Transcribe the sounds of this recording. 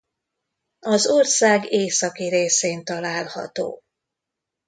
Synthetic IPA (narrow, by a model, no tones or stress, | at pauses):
ɒzorsaːɡeːsɒkiɾeːseːnt̪ɒlaːlhɒ̰t̪o̰ː